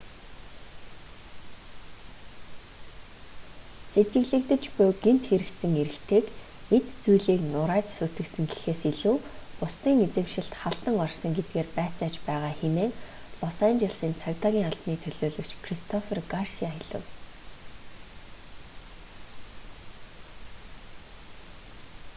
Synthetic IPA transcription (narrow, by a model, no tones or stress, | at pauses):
set͡ɕɪ̆ɣɮɘ̆kt̪ɘ̆t͡ɕpʊjɡen̥t̪xeɾɘ̆kt̪ʰɘ̆ŋeɾɘ̆kt̪ʰeːk | et̪t͡sujɮiːknʊɾaːt͡ɕsut̪ɘ̆ksɘ̆ŋɡi̥xeːsiɮuːpʊst̪iːŋet͡sɘ̆mʃɪ̆ɬt̪χaɬt̪ə̆ŋɔrsɞ̆ŋɡet̪̚ɡeːrpæːt͡saːt͡ɕpæːʁaːxemeːŋ | pɔsæːnt͡ɕaɮsiːnt͡sʰakt̪aːɣʲiːŋaɬt̪niːt̪ʰɵɮoːɮɵ̆kt͡ɕkʰrist̪ʰɔferɡarsiaiɮə̰̆w